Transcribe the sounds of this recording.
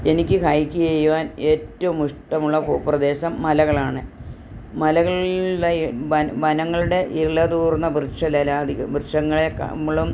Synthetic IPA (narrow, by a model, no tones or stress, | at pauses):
e̞nikʲːɨkʰaːjikʲːiejuʋaːne̞ːtːɐʋumuʂʈɐmuɭːɐpo̰ːprɐd̪e̞ːɕɐmːɐlɐɣɐɭaːɳɨ | mɐlɐɣɐɭuɭːɐɐʋɐnɐŋːɐɭuɽe̞ʔiɭɐd̪uːrnːɐbrɨʂɐlɐlaːd̪ʱikʲːuprɨʂɐŋːɐɭekɐ̰mɐɭum